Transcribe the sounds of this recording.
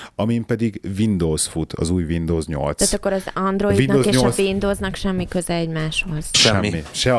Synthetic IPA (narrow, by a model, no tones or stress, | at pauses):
ɒmimpɛd̪iɡvind̪oːsfut̪ʰɒ̰zuːjvind̪oːzɲo̰lt̪saːt̪ɒkːo̞ɾɒzɒnd̪ɾo̞idvind̪ozeoʃvind̪oːznɒkʃɛmːikø̞zɛɛɟmaːʃho̞z̥ʃʃɛmːiʃɛ